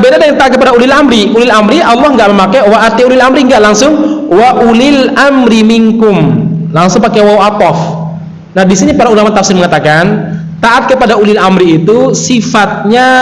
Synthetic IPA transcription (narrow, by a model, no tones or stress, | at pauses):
bedadəŋŋt̪aat̪kəpadaulɪlamɾiulɪlamɾialˠːɔhŋɡaʔməmakajwaʔat̪iulɪlamɾiŋɡaʔlaŋsʊŋwaʔulilʔamɾimiŋkʊmlaŋsʊŋpakewawat̪ɔf | nahdisinipaɾaulamat̪afsɪnməŋat̪akan | t̪aʔat̪̚kəpadaulɪlamɾiːt̪usifat̪̚ɲa